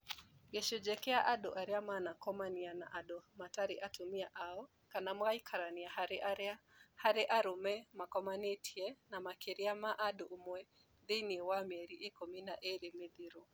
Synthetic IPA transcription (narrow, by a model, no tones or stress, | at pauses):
ɡɛʃod͡ʒɛkɛaʔaɗɔ̰ʔaɾiamanakɔmanianaʔaɗɔmataɾiʔatumiaʔaɔ | kanamɣaikʰaɾaniahaɾɪʔaɾahaɾɛʔaɾʊmɛmakɔmanetʰiɛnamakeɾiamaʔadɔʔumwɛ | ðeniwamɛɾiʔekɔminaʔeɾemɪd̪iɾo